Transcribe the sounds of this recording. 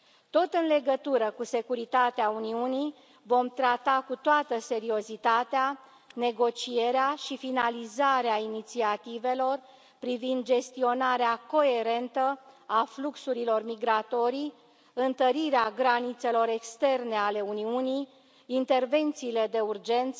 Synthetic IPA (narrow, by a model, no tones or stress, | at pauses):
t̪o̞t̪ɨnle̞ɡət̪uɾəkuse̞kuɾit̪at̪eauniuni | vo̞mt̪ɾat̪akut̪oat̪əse̞ɾio̞zit̪at̪ea | ne̞ɡo̞t͡ʃije̞ɾeaʃifinalizaɾeainit̪siat̪ive̞lo̞r | pɾivind̪d͡ʒe̞st̪io̞naɾeako̞e̞ɾe̞nt̪əafluksuɾilo̞rmiɡɾat̪o̞ɾij | ɨnt̪əɾiɾeaɡɾanit̪se̞lo̞ɾe̞kst̪e̞rne̞ale̞uniunijː | nt̪e̞rve̞nt̪siːle̞d̪e̞urd͡ʒe̞nt̪sə